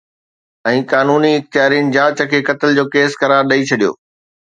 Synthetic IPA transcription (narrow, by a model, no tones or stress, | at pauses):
ɛ̃ːkaːnuːniɪk̚t̪jaːɾinɪ̆d͡ʑaːt͡ɕə̆kʰeːkɐt̪əld͡ʑoːkeːskɐɾaːɾɗɐit͡ɕʰɐɗijo̰ː